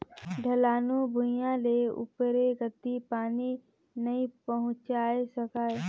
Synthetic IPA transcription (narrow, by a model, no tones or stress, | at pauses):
ɖʱəlaːnubʱʊjãleʊ̰pɾeɡət̪ːipaːni | nəĩpəɦʊ̃t͡ʃaːesəkaːe